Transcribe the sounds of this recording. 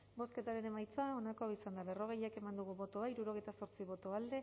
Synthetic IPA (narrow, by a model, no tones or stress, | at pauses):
bo̞ske̞t̪aɾe̞ne̞majt͡sao̞nakoisand̪aβe̞ro̞ɣ̞e̞jake̞mand̪uɣuβo̞t̪oaiɾuɾo̞ɣ̞e̞jt̪aso̞ɾt͡siβo̞t̪oald̪e̞